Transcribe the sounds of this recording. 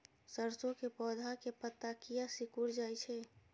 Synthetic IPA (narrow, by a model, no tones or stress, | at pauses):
səɾsõkepɔːd̪ʱakepət̪ːakijasikuɾd͡ʒaːjt͡ʃʰɛ